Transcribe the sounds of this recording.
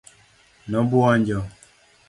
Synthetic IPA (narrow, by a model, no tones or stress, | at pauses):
nɔbuɔɲd͡ʒɔ